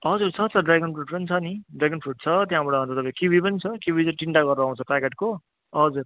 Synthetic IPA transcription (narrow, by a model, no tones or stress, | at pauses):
ʌd͡zurt͡sʰʌt͡sʰʌɖraɡʌnpʰruʈpʌnit͡sʰʌniɖrajɡʌnpʰuʈ̚t͡sʰʌt̪jãbʌɽaʌnt͡sʰʌt̪ʌpʌãkiubʱipʌnit͡sʰʌkjubʱit͡sʌʈiɳʈaɡʌruaw̃t͡sʰʌpakeʈko | ʌd͡zur